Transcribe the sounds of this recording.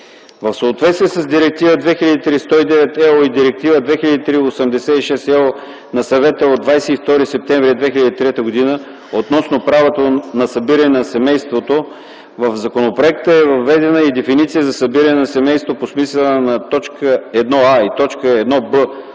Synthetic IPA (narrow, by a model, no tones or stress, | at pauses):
vəfsoːt̪vɛt̪st̪iɛsəzd̪iɾɛk̚t̪ivəd̪vɛxilʲəd̪it̪ɾist̪ɔid̪ɛvɛt̪ɛoid̪iɾɛk̚t̪ivəd̪vɛxilʲɐəd̪it̪ɾiosəmd̪ɛsɛiʃɛst̪ɛ | nɐsɐvɛt̪əod̪vajsɛift̪ɔɾisɛp̚t̪ɛɱvɾiɛd̪vɛxiləd̪it̪ɾɛt̪əɡod̪inə | ot̪nɔsnopɾavot̪onɐsɐbiɾɐnɛnɐsɛmɛjst̪vot̪o | vəfzɐkonopɾoɛk̚t̪əɛvɐvːɛd̪ɛnəid̪ɛfinit̪sijəzɐsɐbiɾənɛnɐsɛmɛjst̪voposmislɛlnɐt̪ɔt͡ʃkəɛd̪nɔait̪ɔt͡ʃkəɛd̪nɔbə